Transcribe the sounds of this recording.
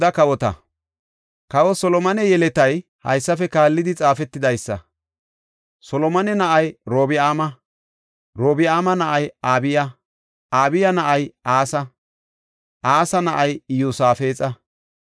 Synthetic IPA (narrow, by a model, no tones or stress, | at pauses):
ɐkɐwɔt̪ɐ̰ | kɐwɔsɔlɔmɐnɛjɛlɛt̪ɐj | hɐ̰jsːɐfɛkaːlːɪd̪ɪt͡sʼaːfɛt̪ːɪd̪ɐjsːɐ̰ | sɔlɔmɐnɛnɐʔɐjɾoːbɪaːmɐ | ɾoːbɪaːmɐnɐʔɐjaːbɪjɐ | aːbɪjɐnɐʔɐjaːsɐ | ʔaːsɐnɐʔɐjjuːsaːfe̞ːt͡sʼɐ